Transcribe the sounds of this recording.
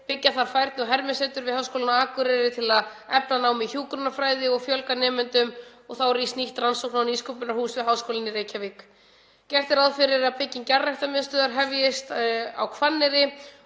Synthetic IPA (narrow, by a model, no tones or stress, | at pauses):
pɪcːaθaɾ̥fajɾt̪nɪɔɣɦɛɾmɪsɛt̪ʏɾvɪðhawskoːlɪnaaːkʏɾɛɾɪt̪ʰɪlaðɛpnanaːwmɪçjuːkɾʏnafɾaːjðɪɔɣfjœlkanɛːmʏnt̪ʏmɔɣθawɾistniht̪ransowknawniːskʰopʏnaɾhuːsvɪðɦawskowlɪnɪɾeːjcʰavik | cɛr̥t̪ɪɾaðfɪɾɪɾaðpʰɪcːɪncarːajht̪amɪðst̪œːðaɾɦɛvjɪst̪a̰wkʰvanːɪɾɪ